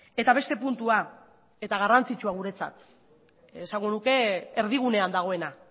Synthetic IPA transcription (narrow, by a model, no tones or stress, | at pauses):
e̞t̪aβ̞e̞st̪e̞punt̪ua | e̞t̪aɣ̞arant͡sit͡ʃuaɣ̞uɾe̞t͡sa̰t̪ | esaŋɡo̞nuke̞ːɾð̞iɣ̞une̞and̪aɣ̞o̞e̞na